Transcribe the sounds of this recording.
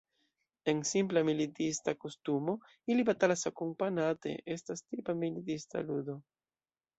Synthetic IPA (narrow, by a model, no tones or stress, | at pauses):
ensimplamilitistakostumo̞ | ilibat̪alasakumpanat̪ḛʔestastipamilit̪ista̰lud̪o̞